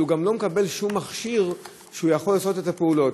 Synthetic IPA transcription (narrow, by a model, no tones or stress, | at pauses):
uɡamlo̞mekabe̞lʃumːaχʃiʁ | ʃeujaχo̞lːaːso̞te̞tapeulo̞t